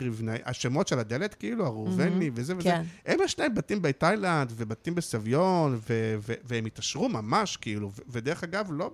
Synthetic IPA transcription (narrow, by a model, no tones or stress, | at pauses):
ʁivnaʔa̰ʃemo̞tʃelad̪elet̪kiiluaʁuvenivezeveehemjeʃlaembatimbetajland̪vebatimbesavjonveveveemitaʃʁumamaʃkiiluveved̪eeχaɡavlo̞